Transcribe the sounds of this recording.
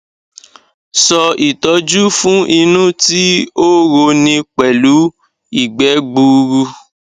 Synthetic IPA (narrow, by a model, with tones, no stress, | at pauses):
sɔ˧i˨tɔ˨˧˦d͡ʒu˦fũ˦ʔi˧nũ˦ti˦o˦ɣo˧nĩ˧k͡pɛ˨lu˨˦ | i˦˨ɡ͡bɛ˨˦ɡ͡bu˧ɾu˧